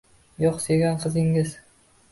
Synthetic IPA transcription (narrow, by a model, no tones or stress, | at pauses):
jɒqseɡʲanqʰɨzɪŋɪz